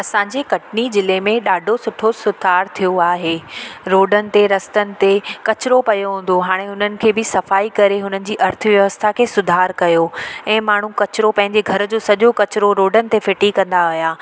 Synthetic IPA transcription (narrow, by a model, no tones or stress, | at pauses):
ɐsãːɲd͡ʑekɐʈnizɪlemẽɗaːɖʱosʊʈʰosʊd̪ʱaːɾt̪ʰijoaːɦeɾoːɖənɪ̆t̪eɾɐst̪ənɪ̆t̪ekɐt͡ɕɪɾopɐjoɦũːn̆d̪oɦaːɽ̃eɦʊn̤ənɪ̆kʰeːbɪsɐfaːikɐɾeɦʊn̤ənɪ̆d͡ʑiːʔɐɾt̪ʰəʋjɐʋəst̪ʰakʰeːsʊd̪ʱaːɾkɐjoɛ̃ːmaːɳ̤ũkɐt͡ɕɪɾopɐ̃ɦɪ̃ɲd͡ʑeɡʱɐɾd͡ʑoːsɐʄokɐt͡ɕɪɾoɾoːɖənɪ̆t̪efɪʈikɐ̃nd̪aɐɦijaː